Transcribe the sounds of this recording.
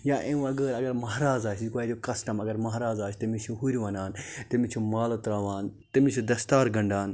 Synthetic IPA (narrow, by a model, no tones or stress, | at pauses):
jaːʔẽwɐɡəːɾɐɡɐɾmɐɦɾaːzaːt͡ʃʰd͡ʒikaːjɾjokɐsʈɐmɐɡɐɾmɐɦɾaːzaːt͡ʃʰt̪ɐmit͡ʃʰuɦuɾʲiʋɐnaːnt̪ɐmit͡ʃʰumaːlot̪ɾaːʋaːn | t̪ɐmit͡ʃʰud̪ɐst̪aːɾɡɐ̃ɳɖaːn